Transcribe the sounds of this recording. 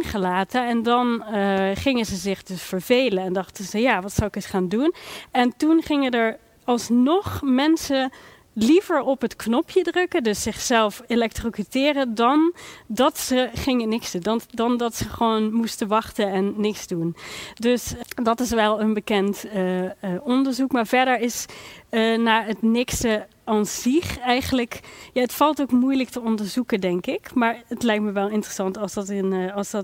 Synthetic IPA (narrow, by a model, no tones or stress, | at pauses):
nχəlaːtəɛndɑnχɪŋəzəzɪχdøsfəɹvejlənɛndɑχtəzəjaːʋɑtsawɪkəsχaːndunɛntunχɪŋədəɹ | ɑlˠsnɔχmɛnsə | livəɹɔpɦətknɔpʰjədrɵkədɵsːɪχsɛlˠfelɛk̚trokitɪːrədɑndɑtsəχɪŋənɪksunddɑndɑtsəχəʋoːnmustəʋɑχtəɛnːɪksdundøsdɑtɪs̬ʋɛlˠənbəkɛntəɔndəɹzukmaːɹv̥ɛɹdəɹɪsənaːətnɪkstə | ɑnsiχɛjχənləkjaətfɑlˠtowkmujlək̚təɔndəɹzukədɛŋkɪkmaːɹətlɛjk̚tməʋɛlˠɪntrəsɑntɑlˠsɑtnɑlˠsdɑt